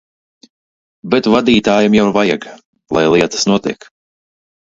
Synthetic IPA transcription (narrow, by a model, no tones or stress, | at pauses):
bɛt̪vad̪iːt̪aːjamjawvajaɡ | lˠa̰jlˠiɛt̪ḁsnuɔt̪iɛk